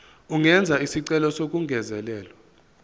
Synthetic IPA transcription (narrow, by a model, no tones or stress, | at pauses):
uŋɛnd͡zʱaisiǀɛlɔsok̬ʼuŋɡʱɛzɛlɛːlɔ